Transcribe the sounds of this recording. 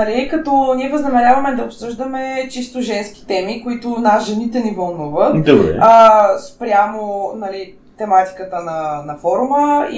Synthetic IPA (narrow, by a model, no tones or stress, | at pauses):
nɐlikɐt̪ɔnʲiɛvɐznɐmɛɾʲjavɐmɛd̪ɐopsɤʒd̪əmɛt͡ʃist̪ʊʒɛnsk̟ʲi̥t̪ɛmikoit̪ʊnasʒɛnit̪ɛnivɐlˠnuvət̪d̪ɐbɾɛ̰əspɾʲjamonɐli | t̪ɛmat̪i̥kət̪ənɐnɐfɔɾʊməḭ